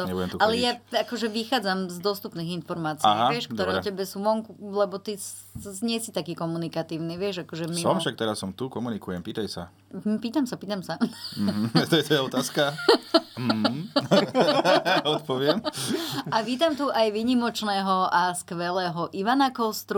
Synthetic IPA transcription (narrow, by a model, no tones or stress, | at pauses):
t̪ɔɲɛbuɟɛmt̪ualɛjaakɔʒɛʋixaːd͡zamzd̪wɔst̪upniːɣinfɔɾmaːt͡siiaːɦaʋɪɛʃkkt̪ɔɾɛɛɔcɛbɛsuʋɔŋkulɛbɔt̪is | ɲɛsit̪akiːkɔmunikat̪iːʊniʋɪɛʒakɔʒɛmmisɔmfʃak̚t̪ɛɾasːɔmt̪ukɔmunikujɛmpiːt̪ajsa̰ | m̩piːt̪amsapiːt̪amsaɦt̪ɔjɛt̪ɔjɛɔt̪aːska | m | ɔt̪̚pɔʋɪɛm | aʋiːt̪amt̪uʔajʋiːɲimɔt͡ʃnɛːɦɔʔaskʋɛlɛːɦɔʔiʋanakɔlst̪ɾu